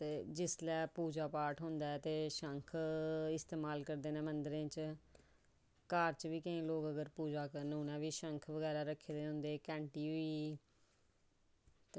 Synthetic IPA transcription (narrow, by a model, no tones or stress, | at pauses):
t̪eːd͡ʒɪslɛːpuːd͡ʒaːpaːɾʈɦʊ̃nd̪aːɛːt̪eːʃəŋkʰɪst̪eːmaːlkəɾd̪eːnẽːmənd̪ɾẽːt͡ʃ | kaːɾt͡ʃʋiːkəĩːloːkəɡəɾpuːd͡ʒaːkəɾnũːnɛ̃ːʋiːʃəŋkʰʋəɡɛːɾaːɾəkʰːeːd̪ẽːɦʊ̃nd̪eːkɛ̃ːɳʈiːiː